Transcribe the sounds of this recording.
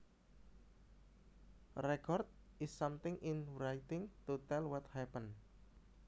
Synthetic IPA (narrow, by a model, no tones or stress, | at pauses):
rɛkɔrt̪̚ɪsːamt̪ɪŋʔɪnɾajt̪ɪŋt̪ut̪ɛlwɔt̪hɛpən